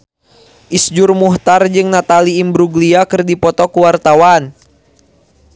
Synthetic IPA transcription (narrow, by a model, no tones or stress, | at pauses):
ʔisd͡ʒurmuht̪ard͡ʒɨŋnat̪aliːmbɾuɡliakɨrdipɔt̪ɔkuwart̪awan